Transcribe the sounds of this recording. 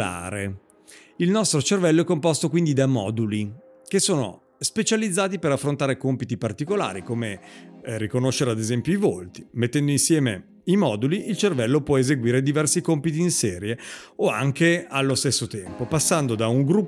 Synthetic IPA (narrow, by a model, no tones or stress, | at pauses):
a̰ːɾḛ | ilnɔst̪ɾot͡ʃervɛlːoɛkːompɔst̪okwind̪id̪amɔ̰ːd̪uli | k̟esoːno̰ | spet͡ʃalid̪zːaːt̪ipeɾafːɾont̪aːɾekompit̪ipart̪ikola̰ːɾikomerikonoʃːeɾead̪ezɛmpjoivolt̪i̥met̪ːɛnd̪oinsjɛːme | imɔːd̪uliilt͡ʃervɛlːopwɔezeɡwiːɾed̪ivɛrsikompit̪̬iːnsɛːɾjeoa̰ŋkealːost̪esːot̪ɛmpopasːand̪od̪auŋɡɾu